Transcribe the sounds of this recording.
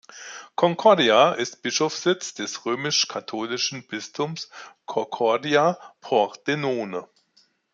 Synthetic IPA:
kʰɔŋkʰɔɐdiaʔɪstb̥ɪʃofsz̥ɪt͡sd̥ɛsʁøːmɪʃkʰatʰoːlɪʃn̩b̥ɪstʰʊmskʰɔkʰɔɐdiapʰɔd̥enoːnə

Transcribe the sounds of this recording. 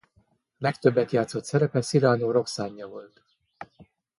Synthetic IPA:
lɛkt̪ø̞bːɛt̪jaːt̪so̞t̪sɛɾɛpɛsiɾaːnoːɾo̞ksaːɲːɒvo̞lt̪

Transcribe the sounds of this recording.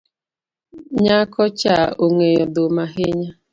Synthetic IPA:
ɲakʰɔt͡ʃaoŋejɔdʊmaɦɪɲa

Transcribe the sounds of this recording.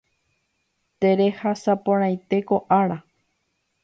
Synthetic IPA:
t̪e̞ɾe̞hasapõɾ̃ãj̃t̪e̞ko̞ʔaɾa

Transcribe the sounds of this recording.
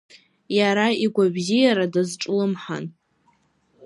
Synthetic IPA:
jaɾaiɡʷabzijaɾadazʈ͡ʂʼlɨmħa̰n

